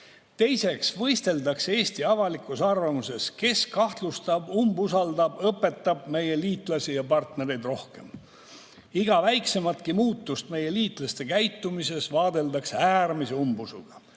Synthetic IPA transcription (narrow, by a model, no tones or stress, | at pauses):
t̪e̞jse̞ksvɤ̞jst̪e̞ld̪ɑkse̞ːsʲt̪iɑvɑlikːˑusɑrvɑmuse̞ske̞skɑht̪lust̪ɑbumbusɑld̪ɑbɤpːˑe̞t̪ːɑbme̞je̞liːt̪ˑlɑsijɑpɑrt̪ne̞ɾe̞jd̪ro̞hke̞m | iɡ̥ɑvæjkse̞mɑt̪kimuːt̪ːust̪me̞je̞liːt̪ˑlɑst̪e̞kæjt̪ːumise̞svɑːd̪e̞ld̪ɑksæːrmise̞umbusṵɡ̥ɑ